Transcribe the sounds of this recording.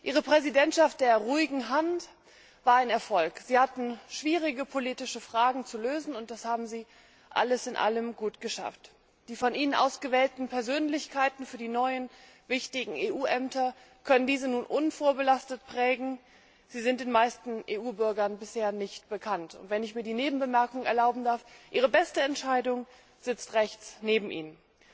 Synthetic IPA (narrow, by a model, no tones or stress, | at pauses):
ʔiːʁ̞əpʁ̥ɛzidɛntʃaft̚d̥eːɐʁuːɪɡŋ̩ɦant | v̥aːɐaɪnɛɐfɔlkz̥iːhatn̩ʃv̥iːʁɪɡəpʰoliːtɪʃəfʁ̥aːɡŋ̩t͡suløːzn̩ʊnt̚d̥ashaːbm̩ziː | ʔa̰ləsɪnʔa̰ləmɡuːtɡ̥əʃa̰ft | d̥iːfɔnʔiːnənʔa̰ʊsɡ̥əvɛːltn̩pʰɛɐzøːnlɪçkʰaɪtn̩fyːɐdiːnɔʏən | vɪçtɪɡŋ̩eːʔuːʔɛmtɐ | kʰœnəndiːzənuːnʔʊnfoːɐbəlastətpʁ̥ɛːɡŋ̩ | z̥iːzɪnt̚d̥eːnmaɪstn̩ʔeːʔuːbʏɐɡɐnbɪsheːɐnɪçt̚b̥əkʰantʊ̰ntv̥ɛnɪçmiːɐdiːneːbm̩bəmɛɐkʊŋənɛɐlaʊbm̩daɐfʔiːʁ̞əbɛstəɛntʃaɪdʊŋ | z̥ɪt͡stʁɛçt͡sneːbm̩ʔḭːnən